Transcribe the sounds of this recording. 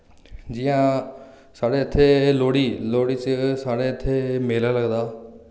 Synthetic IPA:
d͡ʒɪːãː | saːɽeːət̪ʰːeːloːɽiːloːɽiːt͡ʃsaːɽeːət̪ʰːeːmeːlãːləɡd̪aː

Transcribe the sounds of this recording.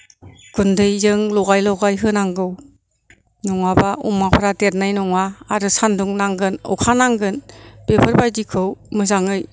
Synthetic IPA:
ɡ̥undɯjzɯŋlɔɡajlɔɡajɦɯnaŋɡɯw | nɔŋabaʔṵmapʰaɾatet̚najnɔŋaːɾɯsanduŋnaŋɡɯnɔ̰wkʰanaŋɡɯnb̥epʰɯɾbajdikʰɯwmɯzaŋɯj

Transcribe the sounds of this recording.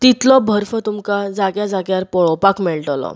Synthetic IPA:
t̪it̪lɔbʱəɾfət̪umkad͡zaɡjad͡zaɡjaɾpɔɭɔpakmeɭʈlɔ̰

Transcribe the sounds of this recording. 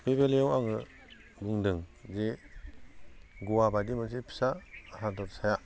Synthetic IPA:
pʰebeleɔwaŋɯ | ɡuŋdɯŋze | ɡuwabadimɯs̬ipʰi̥saːsadɔɾsaja

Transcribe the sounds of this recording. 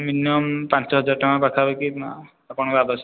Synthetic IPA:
minɔmpansɔɦɔd͡ʒaɾʈamapakʰabeki | apɔɽ̃ɔkabas

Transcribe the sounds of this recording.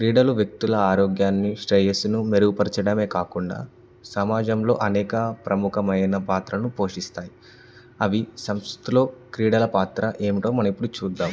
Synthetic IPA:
kɾiːɽɐluʋjɐk̚t̪ulɐaːɾoːɡjaːnːiʂʈɾejesinumeɾuɡupɐɾit͡ʃɐɽɐme̞ːkaːkuɳɖa̰ː | sɐmaːd͡ʒɐmlo̞ːʔɐnɛːkɐpɾɐmukʰɐmɐjɐnɐpaːt̪ɾɐnupo̞ːʂist̪aːji | ɐʋisɐmst̪ulo̞ːkɾiːɽɐlɐpaːt̪ɾɐʔe̞ːmiʈo̞ːmɐnɐmipːuɽut͡ʃuːd̪ːaːm

